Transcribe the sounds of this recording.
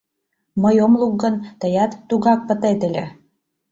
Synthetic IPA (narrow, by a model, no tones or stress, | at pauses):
məjomluk̚ɡənt̪əjɑt̪ːuɣɑk̚pət̪et̪ə̆lʲĕ